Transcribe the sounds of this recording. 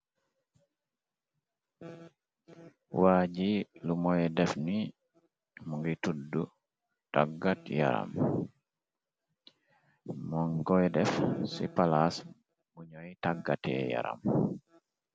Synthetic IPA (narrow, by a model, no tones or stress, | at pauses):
waːd͡ʒilumɔjɛdɛfni | muŋɡitudːu | taɡːatja̰ɾa̰m | mɔŋɡɔjɛdɛfsḭpalas | muɲɔjtaɡːatɛ̰ːja̰ɾa̰m